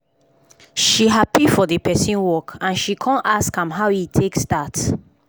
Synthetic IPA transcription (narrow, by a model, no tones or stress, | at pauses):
ʃiɦapifɔdepɛsĩnwɔkʰãnʃikʰɔ̃naskãmɦawitʰekstat